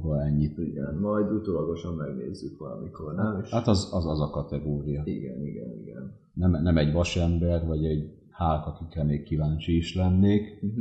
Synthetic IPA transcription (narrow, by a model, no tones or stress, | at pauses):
bɒɛɲːiiɡɛnmɒjd̪ut̪oːlɒɡo̞ʃɒmmɛɡnḛːzːykʋɒlɒ̰mikʰo̞rnɛmeʃhat̪ɒzɒzɒzɒkɒt̪ɛɡoːɾijɒiɡɛ̰niɡɛ̰niɡɛn | nɛmnɛmɛɟʋɒʃɛmbɛrvɒɟɛɟ | haːlkɒkikɛlneːkːivaːnt͡ʃiːʃlɛnːeːk